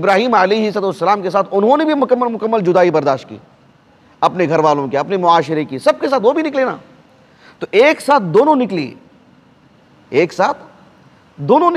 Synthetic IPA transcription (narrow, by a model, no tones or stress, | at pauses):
ɪbɾaːɦiːmɐleiɦɪsat̪uʋɐsːɐlaːmkesaːt̪ʰʊnɦõnebʱimʊkəmːmʊkəmːəld͡ʒʊd̪aːibɐɾd̪aːʃt̪̚kḭː | ɐpneɡʱɐɾʋaːlõkiɐpnemʊaːʃɪɾekisɐb̚kesaːt̪ʋobʱinɪkleːna̰ː | t̪oʔeːksaːt̪̚ʰd̪oːnõnɪklḭː | eːksaːt̪ʰ | d̪oːnõn